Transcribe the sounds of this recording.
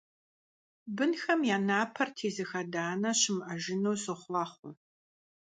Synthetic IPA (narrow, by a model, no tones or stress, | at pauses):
bɨnxɐmjaːnaːpʰɐrtʰeːzɨxɐdaːnɐɕɪmʔɐʒɪnoːsɨχʷlɑːχʷʊ